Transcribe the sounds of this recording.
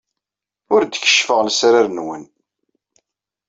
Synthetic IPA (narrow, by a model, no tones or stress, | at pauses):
ʊɾd̪əçə̥ʃfəʁlsɾaɾnwən